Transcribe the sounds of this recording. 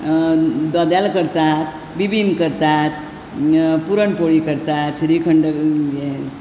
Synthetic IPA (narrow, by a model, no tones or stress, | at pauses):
d̪ɔd̪jalkəɾt̪at̪̚ | bibʱinkəɾt̪at̪̚ | puɾəɳpoɭikəɾt̪at̪ɕiɾikʰəɳɖəes